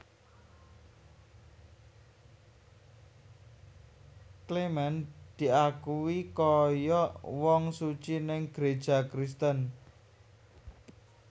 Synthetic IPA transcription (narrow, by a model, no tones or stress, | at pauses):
klemɛnd̪̥i̤akuwikɔjɔwɔŋsut͡ʃinɪŋɡ̥ɾed̥ʒ̥a̤kɾist̪ən